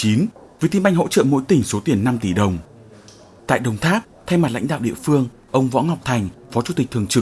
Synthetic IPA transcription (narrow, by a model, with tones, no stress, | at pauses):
t͡ɕi˨˦nvi˨˩t̪ʰi˧mɓa˧jŋ̟ɦo̰˧˥t͡ɕə̰ː˧˨mo̰˧˥jt̪ï˨˩ŋ̟so˨˦t̪i˧˩ənːa˧mt̪i˧˩ɗə˨˩wŋ͡m | t̪a̰ː˧˨jɗə˨˩wŋ͡mt̪ʰaː˦˥p̚t̪ʰa˧jma˨˩t̚la̰˧˥jŋ̟ɗa̰ː˧˨wɗḭ˧˨əfɨ˧əŋ | ʔə˧wŋ͡mvɔ̰˧˥nhwk͡p̚t̪ʰa˨˩jŋ̟fɔ˨˦t͡ɕu˧˩t̪i˨˩k̚t̪ʰɨ˨˩əŋt͡ɕɨ˨˩k̚